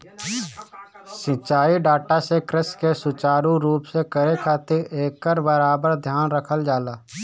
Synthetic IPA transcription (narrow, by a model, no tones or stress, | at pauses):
sɪ̃t͡ʃaːiɖaːʈasekɾɪskesʊt͡ʃaːɾũɾuːpsekəɾekʰaːt̪ɪɾeːkːəɾbəɾaːbəɾd̪ʱjaːnɾəkʰəld͡ʒaːlaː